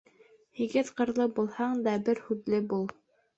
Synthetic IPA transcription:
hiɡɘt̪qɤ̆ɾlˠɤbulˠhɑɴd̪ɑbɘɾhʉðlɘbulˠ

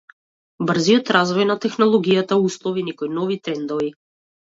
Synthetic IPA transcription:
br̩ziɔt̪ɾazvɔjnat̪ɛxnɔlˠɔɡijat̪auslˠɔvinɛkɔjnɔvit̪ɾɛnd̪ɔvi

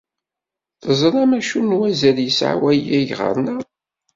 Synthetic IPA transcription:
θəzˤɾˤɑmæʃunwæzəɾjəsʕa̰wæjæʝʁə̰ɾnæ

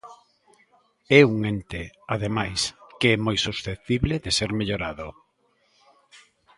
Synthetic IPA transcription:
ɛuŋent̪ɪaðemajskeɛmojsusθet̪iβleðeseɾmeʎoɾaðo

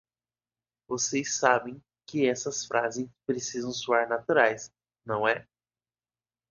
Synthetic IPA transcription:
vosejsabẽj̃ | kɪɛsɐsfɾʔazẽj̃pɾesizɐ̃w̃suaɾnat̪uɾajs | nɐ̃w̃ɛ

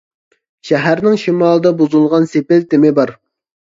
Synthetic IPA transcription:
ʃɛɦæɾnɪŋʃimɑːlˠəd̪ɑbuzulˠʁɑnsepɪlt̪ɪmɪbɑɾ

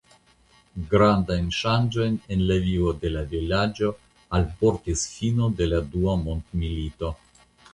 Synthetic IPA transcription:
ɡɾand̪ajnʃand͡ʒojnenlavivod̪elavilad͡ʒo | alpoɾt̪isfinod̪elad̪uamont̪milit̪o

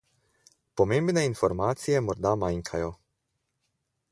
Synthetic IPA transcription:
pɔmẽmbnɛinfɔɾmaːt̪sijɛmɔɾd̪amajŋkʰajɔ

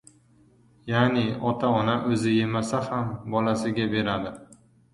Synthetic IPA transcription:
janɪɒt̪ʰaɒnaʔɵzɪje̞masahambɒlasɪɡʲabe̞ɾad̪ɪ

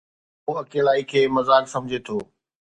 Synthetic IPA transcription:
ɦoːɐkeːlaːikʰeːmɐzaːlsɐ̃md͡ʑʱet̪ʰoː

